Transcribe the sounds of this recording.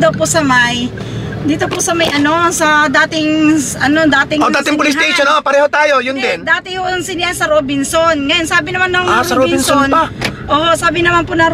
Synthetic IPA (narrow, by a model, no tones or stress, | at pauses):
d̪ɐwpʊsɐmaj | d̪iːt̪opʊsɐmɐjʔɐno̞sɐd̪aːt̪ɪŋʔɐno̞d̪aːt̪ɪŋod̪aːt̪ɪŋpʊlɪst̪ejʃonoʔpɐɾɛːhot̪aːjo̞jʊnd̪ɛnd̪aːt̪ɪhoʔɐŋsɪnjansɐɾobɪnsonŋɐjonsaːbɪnɐmanːɐŋaɾosɐɾobɪɪnsonpaʔoːhosaːbɪnɐmanpʊnɐ